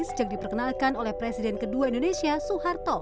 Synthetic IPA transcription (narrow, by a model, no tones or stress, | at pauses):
səd͡ʒak̚dipərkənalkanolɛhpɾesidɛnkəduaindonesiasuhart̪ɔ